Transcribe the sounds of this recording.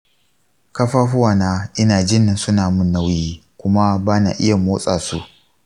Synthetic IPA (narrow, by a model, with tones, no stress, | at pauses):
kɐ˦ɸaː˦ɸʊ˦wa˨naː˦ʔɪ˦naː˨d͡ʒɪ˦na˨nsʊ˦naː˨mʊ˦nːa˦wjiː˦kʷʊ˦ma˦baː˦na̰˨ʔɪ̰˦ja˨moː˦sʼa̰ː˨sṵ˦ʔ